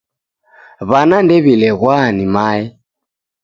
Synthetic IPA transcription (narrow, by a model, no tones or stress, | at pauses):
βanandɛβilɛɣwaːnimaɛ